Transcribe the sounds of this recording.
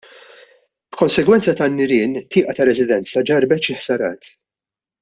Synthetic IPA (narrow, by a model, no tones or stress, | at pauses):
b̥kɔnsɛɡwɛnt͡sɐt̪ɐnːɪɾɪːnt̪ɪːʔɐt̪ɐɾɛzɪd̪ɛnt͡sɐd͡ʒɐɾbɛʃɪħsɐɾɐ̰ːt̪